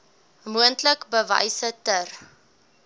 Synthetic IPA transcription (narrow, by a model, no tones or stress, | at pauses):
muəntləkbəvɐ̰jsətər